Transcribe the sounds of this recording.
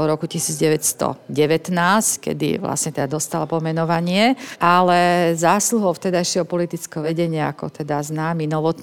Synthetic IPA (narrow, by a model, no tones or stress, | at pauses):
ɔɾɔkucisiːd͡zɟɛʋɛcst̪ɔ̰ɟɛʋɛt̪naːsckɛ̰d̪ḭʋla̰sɲɛt̪ɛd̪ad̪ɔst̪alapɔmɛnɔʋaɲɪɛʔalɛzaːsluɦɔʊt̪ɛd̪ajʃɪɛɦɔpɔlit̪it͡skɛɦɔʋɛɟɛɲɪaakɔ̰t̪ɛd̪aznaːminɔʋɔt̪